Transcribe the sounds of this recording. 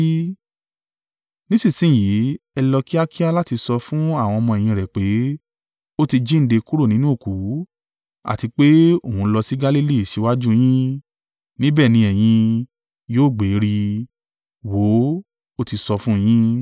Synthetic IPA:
nĩ˦si˦˨sĩ˨˦˨ji˨˦ɛ˧lɔ˧ki˦a˦ki˦a˦la˦ti˧sɔ˧fũ˦a˦˨w̃ɔ̃˧ɔ˧mɔ̃˧ɛ˨j̃ĩ˧ɾɛ˨k͡pe˨˦ | o˦ti˧d͡ʒi˦n̩˦de˧ku˦ɾo˦˨nĩ˨˦nũ˦o˦˨ku˨˦ | a̰˦˨ti˧k͡pe˦o˦˨hũ˧lɔ˧si˦ɡa˦li˦li˦˨ʃi˨˦wa˦d͡ʒũ˦j̃ĩ˦ | nĩ˦bɛː˦˨nĩ˧ɛ˨j̃ĩ˧ | joː˦˨ɡ͡be˨˦ɾi˧ | wo˨˦ | o˦ti˧sɔ˧fũ˦˧j̃ĩ˦

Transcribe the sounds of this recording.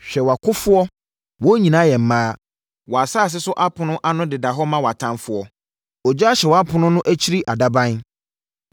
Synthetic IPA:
ɕᶣɛ˨wa˨kʰʊ˦fʊ˦ɔ˦ | wɔ˦ɲĩ˨nã˨˦jɛ˨m̩˨˦mãː˦ | wɔ˨a˨saː˦˨s̬ɪ˦sʊ˦ʔa˦pʰʊ̃˨nʊ̃˦ʔa˦nʊ̃˦dɪ˨da˨ɦɔ˦mã˦wa˨tʰã˦mfʊ˦ɔ˦ | ɔ˨d͡ʑɕɛ˨wɔ˨a˦pʰʊ˨nʊ̃˦nʊ̃˦ʔæ˦t͡ɕʰi˦ɾi˦ʔa˨da˦bã˦n

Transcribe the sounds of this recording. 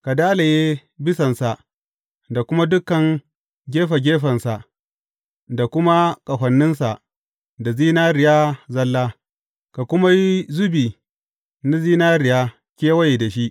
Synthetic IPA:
ka˨daː˦la˨jeː˦bɪ˦sɐ˨nsa˨ʔ | da˨kʷʊ˦ma˦dʊ˦kːɐ˨ŋ | ɡʲeː˦ɸa˨ɡʲeː˦ɸɐ˨nsa˨ʔ | da˨kʷʊ˦ma˦kʼɐ˨ɸʷɐ˨nːɪ˦nsa˨ʔ | da˨ziː˦naː˦ɾɪ˨ja˦zɐ˦lːaː˦ | ka˨kʷʊ˦ma˦ji˦zʊ˦biː˨ | na˦ziː˦naː˦ɾɪ˨jaː˦ | kʲeː˦wɐ˦je˨da˨ʃi˦ʔ

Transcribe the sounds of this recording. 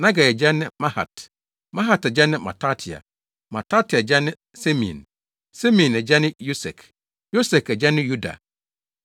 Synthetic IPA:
nã˦ɡa˨ɛ˨d͡ʑɛ˦nɪ̃˦mã˦ha̰˨t | mã˦ɦa˨tɛ˨d͡ʑɛ˦nɪ̃˦ma̰˨tʰa˦tʰi˨a̰˨ | mã˨tʰa˦tʰi˨a˨d͡ʑɛ˦nɪ̃˦ | se˦mḭ̃˨n | se˦mĩ˨nɛ˨d͡ʑɛ˦nɪ̃˦jo˦sɛ̰˨kʰ | jo˦sɛ˨kɛ˨d͡ʑɛ˦nɪ̃˦ju˦da̰˨

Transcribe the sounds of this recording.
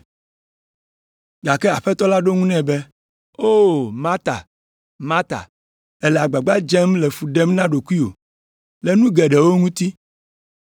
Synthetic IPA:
ɡa˨kɛ˦a˨ɸɛ˦t̪ɔ˦la˦ɖo˦ŋũ˦nɛ̃˦bɛ˦ | o˦mã˦t̪a̰˨ | mã˦t̪a̰˨ | ɛ˦lɛ˨a˨ɡ͡ba˨ɡ͡ba˦d͡ʒɛ˦mlɛ˨fu˨ɖɛ˦mnã˦ɖo˨ku˦i˦o̰˨ | lɛ˨nũ˦ɡɛ˨ɖɛ˨wo˦ŋũ˦t̪i˦

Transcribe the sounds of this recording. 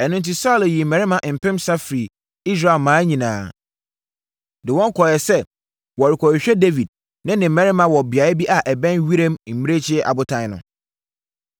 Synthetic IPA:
ɛ˨nʊ̃˦nt̬i˦sa˦lɪ˨ji˨mɛ̃˨ɾɪ˦mã˨ʔm̩˨pʰɪ̃˦msa˦fɾi˨ | i˦s̬ɾa˦˨e˨lmãː˨˦ɲĩ˨nãː˨˦ | dɪ˨wɔ̃˦ŋ˦kʰɔ˨jɛ˨sɛ˦ | wɔ˨ɾɪ˨kʰɔ˨ɾɪ˨ɕᶣɛ˦de˦vi˨d̚ | nɪ̃˦nɪ̃˨mɛ̃˦ɾɪ˦mã˨wɔ˨bɪ˨a˨˦ɪ˦bi˦ʔa˨ʔɛ˨bɛ̃˦nɥi˦ɾẽ˦mm̩˨mi˦ɾe˦t͡ɕʰɪ˦ɛ˦ʔa̰˨bʊ˦tʰã˦n˦nʊ̰̃˨

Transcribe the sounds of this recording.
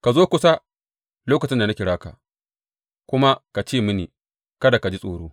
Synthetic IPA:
ka˨zoː˦kʷʊ˦sa˦ | loː˦kɐ˨t͡ʃɪ˦nda˨na˦kʲɪ˨ɽaː˦ka̰˨ | kʷʊ˦ma˦ka˨t͡ʃeː˦˨mɪ˦niː˨ | kɐ˦da˨ka˨d͡ʒi˦sʼoː˨ɽoː˦

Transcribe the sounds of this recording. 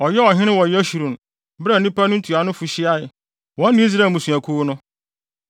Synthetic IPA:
ɔ˨jɛ˦ɔ˨ɦɪ̃˦nɪ̃˦wɔ̃˨jɛ˦ɕu˨ɾũ˨n˨ | bɾa˨nĩ˦pa˦nʊ̃˦n̩˦tʰu˨a˨nʊ̃˦fu˨ɕi˦a˦ɪ˨ | wɔ̃˦n˦nĩ˦s̬ɾa˨mũ˨sũ˨æ˨kʰu˦nʊ̃˦

